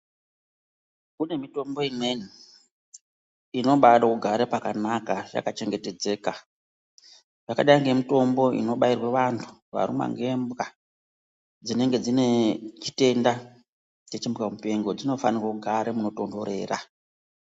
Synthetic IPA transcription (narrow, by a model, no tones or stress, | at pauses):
kune̞mito̞mbo̞imwe̞ni | ino̞ɓaɗakuɡʱaɾepakanakaʐa̰kat͡ʃe̞ŋɡe̞te̞d͡ze̞ːka | ʐakaɗaiŋɡe̞mito̞mbo̞ḭno̞ɓairweʋantʰu̥ʋa̰ɾṵma̰ŋɡe̞mbɣa | d͡zine̞ŋɡe̞d͡zine̞t͡ʃi̥te̞nda | t͡ʃet͡ʃimbɣamupe̞ŋɡo̞d͡zino̞fanirwakuɡʱaɾemuno̞to̞ndo̞ɾe̞̰ːra